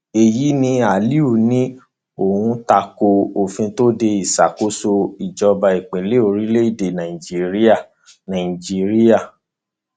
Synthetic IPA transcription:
e˨ji˨˦nĩ˧a˨li˦u˦˨nĩ˦ | o˨hũ˧ta˧ko˧o˨fĩ˧to˦de˧i˨sa˨ko˦so˧i˨d͡ʒɔ˧ba˧i˨k͡pe˨˦le˦o˧ɾi˦le˦i˦˨de˨nã˨ĩ˨d͡ʒi˦ɾi˦a˦˨ | nã˨ĩ˨d͡ʒi˦ɾi˦ja˦˨

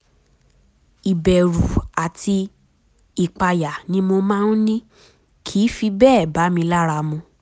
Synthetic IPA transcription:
i˨bɛ˨ɾu˨a˨tʰi˧ | i˨k͡pa˧ja˨nĩ˧˦mo˧mãː˦n̩˦nĩ˦ | kʰi˨˦fi˧bɛː˦˨ba˨˦mĩ˧la˦ɾa˧mũ˧

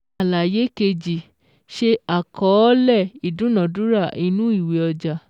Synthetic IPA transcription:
a˨la˨je˨˦ke˧d͡ʒi˨ | ʃe˧a˨kʰɔ˨˦lɛ˦˨i˨dũ˨˦nã˨du˨˦ɾa˦˨i˧nũ˦i˦˨we˨ɔ˧d͡ʒa˨

